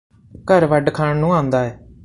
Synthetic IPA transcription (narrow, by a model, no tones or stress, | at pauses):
kəɾʋəɖkʰaːɳnũːãːnd̪aːɛː